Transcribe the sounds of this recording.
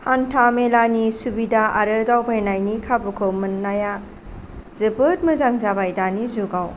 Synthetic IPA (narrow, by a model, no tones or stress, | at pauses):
hantʰamelanisubidaaɾɯdawbajnajnikʰabukʰomɯnːaja | zɯbɯt̚mɯzaŋzabajdanizuɡaw